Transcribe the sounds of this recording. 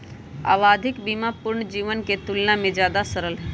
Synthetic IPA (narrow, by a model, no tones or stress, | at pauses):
a̰ːʋaːd̪ʱɪkbimapʊɾɳd͡ʒiːʋənket̪ʊlnamẽd͡ʒjaːd̪asəɾəlɦɛ